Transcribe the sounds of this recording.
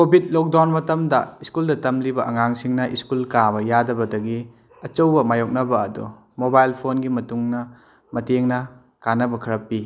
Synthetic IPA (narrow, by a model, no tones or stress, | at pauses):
kobʱid̚lok̚dawnmɐtɐmdɐiskuldɐtɐmlibɐʔɐŋaŋsiŋnɐʔiskulkabɐjadɐbɐdɐɡi | ɐt͡ʃɐwbɐmajok̚nɐbɐːdṵ | mobajlpʰonɡimɐtuŋnɐ | mɐteŋnɐ | kanɐbɐkʰɐɾɐpːi